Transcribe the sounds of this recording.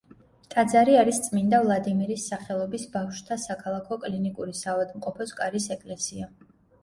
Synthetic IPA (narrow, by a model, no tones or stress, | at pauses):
t̪ʼad̪zaɾiaɾist̪sʼmind̪avlˠad̪imiɾisːaχɛlˠɔbisbafʃt̪ʰasakʰalˠakʰɔkʼlinikʼuɾisavad̪mqʼɔpʰɔskʼaɾisɛkʼlɛsia